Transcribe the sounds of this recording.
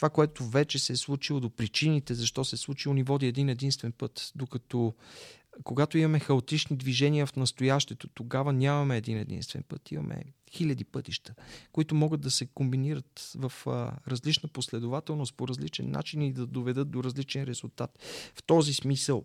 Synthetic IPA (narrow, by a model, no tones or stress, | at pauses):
t̪ovakoɛt̪ovɛt͡ʃɛsɛslˠut͡ʃilˠod̪opɾit͡ʃinit̪ɛzɐʃt̪ɔsɛslˠut͡ʃilˠonivɔd̪iɛd̪inɛd̪inst̪vɛnpɤt̪d̪okɐt̪ɔ | koɡat̪oimɐmɛxɐot̪it͡ʃnid̪viʒɛniəfnɐst̪ojaʃt̪ɛt̪ot̪oɡavənʲamɐmɛːd̪inɛd̪ḭnst̪vɛ̰npɤt̪ḭmɐ̰mʔɛ̰ | xilʲɐd̪ipɤt̪iʃt̪əkoit̪omɔɡəd̪̚d̪ɐsɛkombiniɾət̪vəfɾɐzlit͡ʃnəposlɛd̪ovat̪ɛlˠnost̪̚poɾɐzlit͡ʃɛ̰nːa̰t͡ʃinid̪ɐd̪ovɛd̪ɤt̪̚d̪oɾɐzlit͡ʃɛnɾɛzulˠt̪at̪ft̪ɔzismisəlˠ